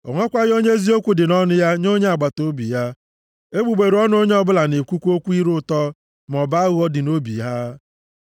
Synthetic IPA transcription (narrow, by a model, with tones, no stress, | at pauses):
ɔ˨ŋʷɔ˦kʷa˦ɣɪ˦o˦ɲe˦zi˦o˦kʷu˨dɪ˨nɔ˦nʊ˦ja˦ɲo˦ɲe˦a˨ɡ͡ba˨to˦bḭ˨ja˦ | e˦ɡ͡bu˨ɡ͡be˨ɾu˨ɔ˦n˦o˦ɲe˦ɔ˦bʊ˦la˨ne˨kʷu˦kʷo˦kʷu˦i˦ɾʊ˦tɔ˦ | m˨ɔ˨ba˦a˦ɣʊ˦ɔ˦dɪ˨no˦bḭ˨ɦa˦